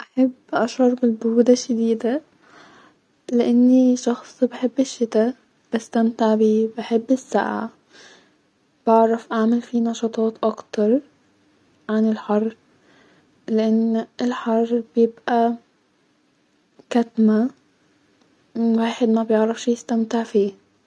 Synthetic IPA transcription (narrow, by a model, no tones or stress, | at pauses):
ʔaħabːʔaʃɑɾˤbɪlbʊɾuːd̪aʃːad̪iːd̪a | lɪʔanːiʃɑxsˤbħɪbːɪʃːɪt̪a | b̥ɪst̪amt̪ɪʕbiːbɪħɪbːɪsːa̰ːʕa̰ | b̥ɪʕɾafʔaʕmalfinɑʃɑːt̪ˤɑːt̪ʔɑkt̪ɑɾˤ | ʕanɪlħɑrˤː | lɪʔanːɪlħɑrˤːb̥jɪbʔa | kat̪ma | waːħɪd̪mabjɪʕɾˤɑfʃijɪst̪amt̪ɪʕfiː